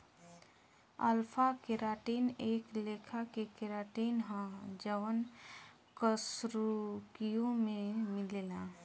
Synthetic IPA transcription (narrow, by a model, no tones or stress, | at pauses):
əlpʰakeɾaːʈiːneːkleːkʰakekeɾaːʈiːnɦãd͡ʒəʋən | kəsɾukijõmẽmɪleːlaː